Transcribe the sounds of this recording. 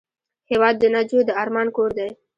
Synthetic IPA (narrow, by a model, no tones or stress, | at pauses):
hewɑd̪ːənad͡ʒod̪əɑɾmɑnkoɾd̪aj